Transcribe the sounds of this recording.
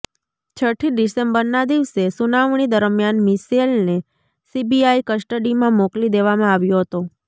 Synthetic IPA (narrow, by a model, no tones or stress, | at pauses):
t͡ʃʰəʈʰiɖisembəɾnad̪iʋsesunaʋɳ̃id̪əɾmjanmiselne | sibiaikəsʈəɖimãmoklid̪eʋamãaʋjoɦət̪o